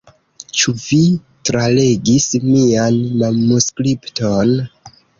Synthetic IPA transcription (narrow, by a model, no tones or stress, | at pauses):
t͡ʃuvi | tɾale̞ɡismianmanuskɾipton